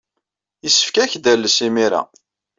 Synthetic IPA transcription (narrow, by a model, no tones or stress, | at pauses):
əsːə̥fkæçd̪ælːəsimiɾæ̰